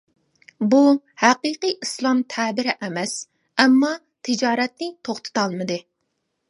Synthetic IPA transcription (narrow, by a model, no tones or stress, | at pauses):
bu | hæqiːqiʔislˠɑmt̪ʰɛbɪɾɪʔɛmɛs | ɛmːɑ | t̪ʰɪd͡ʒɑːɾɛt̪̚nɪt̪ʰoχt̪ʰɨ̥t̪ʰɑlˠmɨd̪ɨ